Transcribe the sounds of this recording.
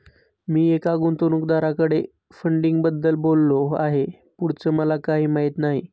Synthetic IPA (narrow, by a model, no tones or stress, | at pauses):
miːekaɡunt̪unukd̪aɾakəɽe | fəɳɖiŋɡbəd̪ːəlbolːoa̰ɦe | puɽt͡səməlakaɦiːmaɦit̪naɦḭ